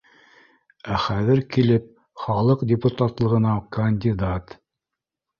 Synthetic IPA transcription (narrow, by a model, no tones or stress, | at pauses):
æχæðɘɾkilɘp̚ | χɑlˠɤqdʲɪput̪at̪lˠɤ̆ʁɤ̆nɑkɐnʲdʲid̪at̪